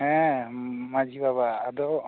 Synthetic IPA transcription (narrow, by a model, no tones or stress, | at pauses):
ɛ̃ | mad͡ʒʱibabaːd̪ɔ